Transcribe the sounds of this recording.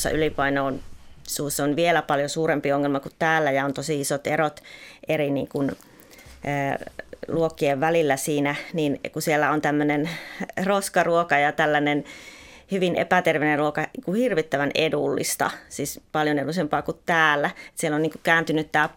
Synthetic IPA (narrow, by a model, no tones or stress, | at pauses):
sːɑ̰ʔylipɑinoːnsuːsːonʋielæpɑljosuːɾempioŋːelmɑkut̪tæːlːæjɑont̪osiisot̪erot̪erinḭːŋkun | əːluokːieʋʋælilːæsiːnæninkusielːæont̪æmːønenroskɑruokɑjɑt̪ælːænen | hyʋinḛpæt̪erʋenerruokɑkuhirʋit̪ːæʋænedulːḭst̪ɑ̰siːspɑljonedusempɑːkut̪t̪æːlːæet̪sielːoniːŋkukæːnt̪ynyt̪t̪æː